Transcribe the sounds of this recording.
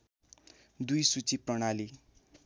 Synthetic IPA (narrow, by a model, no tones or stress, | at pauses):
d̪ujsut͡siprʌɽ̃ali